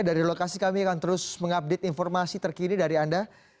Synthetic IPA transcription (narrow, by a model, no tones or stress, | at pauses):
daɾilokasikamiakant̪əɾʊsməŋap̚dɪt̪infɔrmasit̪ərkinidaɾianda